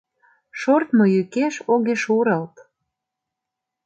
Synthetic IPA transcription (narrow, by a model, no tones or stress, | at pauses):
ʃort̪mojykeʃoɣeʃuɾəlt̪